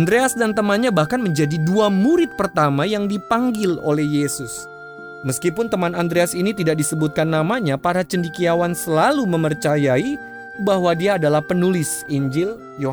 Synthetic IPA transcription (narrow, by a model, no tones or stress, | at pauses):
andɾeasdant̪əmanɲabahkanməɲd͡ʒadiduamuɾɪt̪̚pərt̪amajaŋdipaŋɡɪlo̰lɛhjesʊs | məskipʊnt̪əmanand̪ɾeasinit̪idaʔk̚disəbut̪̚kanːamaɲapaɾat͡ʃəndikiawansəlaluməmərt͡ʃajai | bahwadiaːdalahpənulɪsiɲd͡ʒɪl | jo